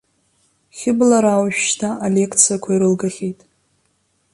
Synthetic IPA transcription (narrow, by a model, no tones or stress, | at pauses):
χʲɪblaɾawʃᶣʃtʰaːlʲe̞kʰt͡sʰiakʷʰaiɾɨlɡaχʲejtʼ